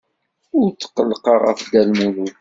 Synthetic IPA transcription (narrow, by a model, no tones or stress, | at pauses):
ʊɾt͡sːə̥qːəlːqɑʁə̰fd̪ælmulu